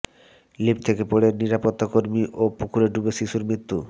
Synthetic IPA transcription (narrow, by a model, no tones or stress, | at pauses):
lipt̪ʰekepoɽeɾniɾapot̪ːakoɾmiʔopukʰuɾeɖubeʃiʃuɾmɾit̪ːu